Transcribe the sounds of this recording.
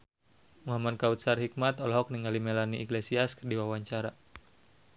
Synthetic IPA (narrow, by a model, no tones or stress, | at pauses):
muɦamadkaut̪̚sarhik̚mat̪ɔlɦɔk̚niŋalimɛlaniʔiklesiaskɨrdiwawaɲt͡ʃaɾa